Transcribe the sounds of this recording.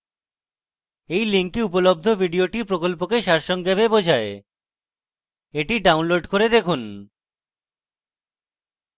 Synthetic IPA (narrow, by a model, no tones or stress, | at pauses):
ejliŋkiupolob̚d̪ʱobʱiɖioʈiɾpɾokolpokeʃaɾʃɔŋɡɛbebod͡ʑʱae | eʈiɖawnloɖkoɾed̪ekʰun